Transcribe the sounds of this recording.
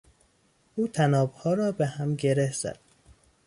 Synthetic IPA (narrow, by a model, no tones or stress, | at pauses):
ʔuːt̪ʰænɒːbhɒːɾɒːbehæmɟe̞ɾehz̥æ̰d̪̥̚